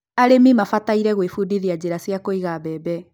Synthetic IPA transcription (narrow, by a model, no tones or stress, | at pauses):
aɾemimafataiɾɛɣwefudiðiad͡ʑeɾasjakoiɣaβɛbɛ